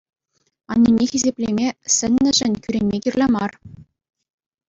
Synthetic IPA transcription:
ɑnʲːinʲːexʲizʲepʲlʲemʲesʲɘ̆nʲːɘ̆ʐɘ̆nʲkʲyɾʲenʲmʲekʲirlʲemɑr

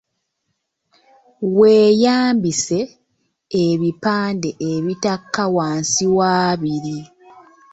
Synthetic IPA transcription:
weːjaːmbise̞ː | βipaːnde̞ʔeβitakːawaːnsiwaːβiɾi

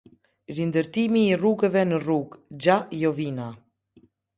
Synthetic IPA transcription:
ɾind̪əɾt̪imiːruɡəvɛnəruɡd͡ʑajɔvina

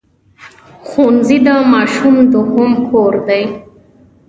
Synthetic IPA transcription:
xunzid̪amaːʃumd̪oɦompʰoɾd̪ej

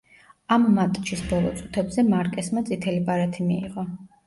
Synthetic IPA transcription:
amːat̪ʼt͡ʃisbɔlˠɔ̰t̪sʼu̥t̪ʰɛbzɛmaɾkʼɛsmat̪sʼit̪ʰɛlibaɾat̪ʰimḭːʁɔ

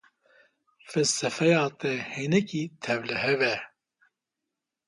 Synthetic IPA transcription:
fɛlsɛfɛjɑːt̪ɛheːnɛkiːt̪ʰɛvlɨhɛvɛ

